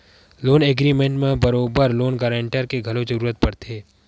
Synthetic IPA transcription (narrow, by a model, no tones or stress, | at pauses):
loːneːɡɾimẽɳʈmẽbɐɾoːbəɾloːnɡɐɾẽɳʈəɾkeɡʱɐlod͡ʒəɾuːɾət̪̚pɐɾt̪ʰeː